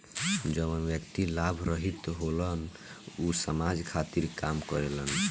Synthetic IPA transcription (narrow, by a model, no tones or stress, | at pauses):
d͡ʒəβənbjəkt̪ilabʱɾəɦit̪ɦolən | usəmad͡ʒkʰat̪iɾkamkɔɾelən